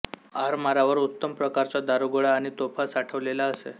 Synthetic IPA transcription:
aɾmaɾaʋəɾut̪ːəmpɾəkaɾt͡sad̪aɾuɡɭaːɽ̃it̪opʰasaʈʰəʋlelaəsḛ

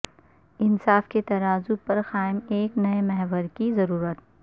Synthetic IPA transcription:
ɪnsaːfket̪ɐɾaːzʊpɐɾxaːɪmeːknɐemɛɦʋəɾkizɐɾuːɾət̪̚

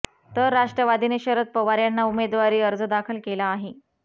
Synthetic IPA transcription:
t̪əɾːaʂʈɾəʋad̪ineɕəɾət̪̚pəʋaɾjanːaumed̪ʋaɾiːəɾd͡zəd̪akʰəlkelaːɦe

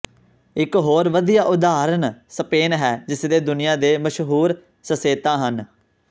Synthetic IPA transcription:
ɪkɦoːɾʋəd̪ijaːʔʊd̪aːɾənsəpeːnɦɛːd͡ʒɪsd̪eːd̪ʊnɪjãːd̪eːməʃɦuːɾ | səseːt̪ãːɦən

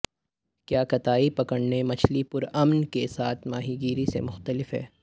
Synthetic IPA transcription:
kjaːkɐt̪aːipɐkəɽnemɐt͡ʃʰlipʊɾɐmnkesaːt̪ʰmaːɦiɡiːɾisḛmʊxt̪əlɪfɦɛ̰ː

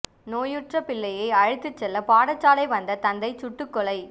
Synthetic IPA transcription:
noːjɯʈrɐpɪlːɐjɐɪɐɻɯt̪ːɯt͡ʃːɛlːɐpaːɽɐt͡ʃːaːlɐɪʋɐnd̪ɐt̪ɐnd̪ɐɪt͡ʃʊʈːɯkːɔɭɐɪ

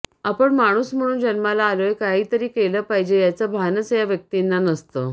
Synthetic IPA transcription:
apəɳmaɽ̃uːsm̤əɽ̃uːnd͡ʑənmalaːləjkaɦiːt̪əɾiːkeləpaɦid͡ʑejat͡səbʱanət͡sjaʋjək̚t̪inːanəst̪ə

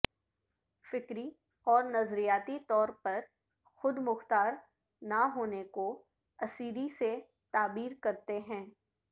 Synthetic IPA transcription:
fɪkɾi | ɔːɾnɐzɾijaːt̪it̪ɔːɾpɐɾ | xʊd̪mʊxt̪aːɾ | naɦoːneko | ɐsiːɾise | t̪aːbiːɾkɐɾt̪eɦɛ̃ː

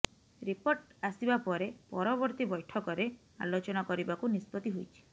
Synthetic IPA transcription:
ɾipoɾʈasibapɔɾepɔɾɔbɔɾt̪ibɔjʈʰɔkɔɾe | a̰lot͡ʃɔnakɔɾibakunispɔt̪iɦojt͡ʃʰi̥

